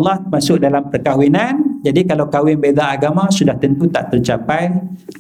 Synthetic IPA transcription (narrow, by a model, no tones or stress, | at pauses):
lːahmasʊk̚dalampərkawinand͡ʒadikalawkawɪnbedaːɡamãsudaht̪ənt̪ut̪aʔt̪unt͡ʃapaj